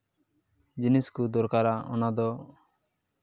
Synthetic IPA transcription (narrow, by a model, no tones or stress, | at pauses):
d͡ʒiniskud̪ɔɾkaɾaʔɔnad̪ɔ